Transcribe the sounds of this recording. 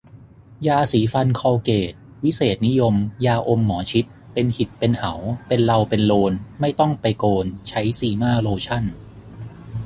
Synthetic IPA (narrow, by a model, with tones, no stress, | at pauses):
jaː˧siː˩˦fa˧nkʰɔː˧keː˨˩t̪̚ | wi˦˥seː˨˩t̪̚ni˦˥jo˧mjaː˧ʔo˧mːɔː˩˦t͡ɕʰi˦˥t̪̚ | pe˧nhi˨˩t̪̚pe˧nha˩˦wpe˧nla˧wpe˧nloː˧nma˥˩jt̪ɔ˥˩ŋpa˧jkoː˧nt͡ɕʰa˦˥jsiː˧˩maː˥˩loː˧t͡ɕʰa˥˩n